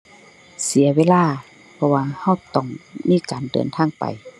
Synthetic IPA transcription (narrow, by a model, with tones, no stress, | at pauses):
si˨˦ɐweː˧˥˨laː˧˥˨ | pʰɔ˧waː˧ha˧˥˩wt̪ɔ˧˩˨ŋmiː˧˥˨kaː˨ndɤ̰ː˨˩nt̪ʰaː˧˥˨ŋpa̰˨j